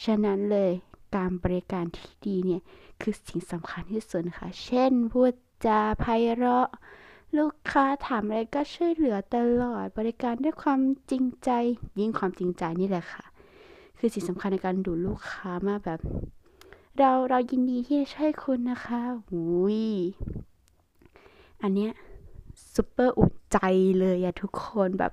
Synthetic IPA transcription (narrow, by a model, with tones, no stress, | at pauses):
t͡ɕʰa˧na˦˥nlɤː˧jklaː˧nbɔː˧ɾi˧kaː˧nt̪ʰi̥ː˥˩diː˧ni˦˥˩ɐkʰɯː˧si˨˦ŋsa˨˦mkʰa˧nhʰiː˥˩su˨˩tnkʰa̰˥˩t͡ɕʰe˥˩nbu˧˩t̪̚t͡ɕa˧˩pʰa˧jɾɔ˦˥ʔluː˥˩kʰːaː˦˥t̪ʰaː˨˦mʔa˧ɾa˧jkɔː˥˩t͡ɕʰu˥ə˨jlɯ˨˩˦ɐt̪a˧lɔː˨˩t̪̚bɔː˧ɾi˧kaː˧ndu˥˩˨jkʰwaː˧mt͡ɕi˧ŋt͡ɕa˧jji˧˥˨ŋkʰwaː˧mt͡ɕi˧ŋt͡ɕa˧jniː˧˥˩lɛ˧˩kʰa˧˩ʔkʰɯː˧si˨˩˦sa˨˦mkʰa˧nːa˧˩kaː˧nduː˧˩luː˥˩kʰːaː˦˥maː˧˩˨bɛː˨˩p̚ | ɾa˧wɾa˧wji˧ndiː˧t̪ʰiː˥˩da˧˩t͡ɕʰɔ˧˥˩jkʰu˧nːa˦˥xʰa˦˥hu˨˦j | ʔa˧nːi˦˥ɐ˨ʔsu˧˦pːɤː˧˩ʔṵ˨˩nt͡ɕa˧jlɤː˧jʔa˨˧˩t̪ʰu˦˥kʰːo˧nbɛ̰˨˩p̚